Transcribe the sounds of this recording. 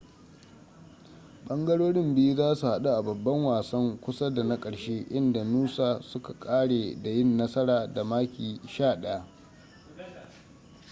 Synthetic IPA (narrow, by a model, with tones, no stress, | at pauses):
ɓɐ˦ŋɡɐ˦ɽoː˦ɽɪ˦mbɪ˦ju˦zaː˦su˨ha˦ɗu˦ʔa˨bɐ˨bːɐ˦ŋwaː˨sɐ˦ŋkʷʊ˦sa˦da˨na˦kʼɐ˨ɽʃeː˦ʔɪ˦nda˨nuː˦saː˨sʊ˦ka˨kʼaː˦ɽeː˨da˨jɪ˦nːɐ˦sɐ˦ɽaː˨da˨maː˦kʲiː˨ʃaː˦˨ɗɐ˦ja˦ʔ